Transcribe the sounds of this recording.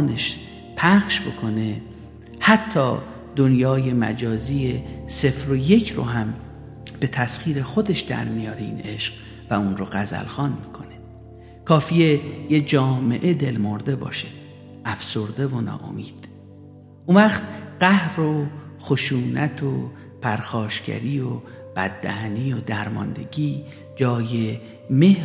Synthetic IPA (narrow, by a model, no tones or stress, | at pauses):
neʃ | pʰæxʃbo̞kʰo̞ne̞ | hæt̪ʰːɒ̰ː | d̪onjɒːje̞mæ̰d͡ʒɒːziːjese̞fɾoje̞cʰɾo̰ɦæm | b̥e̞t̪ʰæsxiːɾe̞xo̞d̪e̞ʃd̪æ̰ɾmijɒːɾeḭːne̞ʃɢ̥̚ | væunɾoɢæzæ̰lxɒːnmiːkʰo̞ne̞ | kʰɒːfiːjejed͡ʒɒːmeʔe̞d̪e̞lmo̞ɾd̪e̞bɒ̰ːʃe | æfsoɾd̪e̞vonɒ̰ːʔo̞̰miːd̪̥ | ʔunvæxt̪ɢæhɾoxoʃuːnʔæt̪ʰo | pʰæɾxɒːʃcæ̰ɾiːo | b̥æd̪ːæ̰hæniːod̪æɾmɒ̰nd̪e̞̰ɟiː | d͡ʒɒːje̞ | me̞h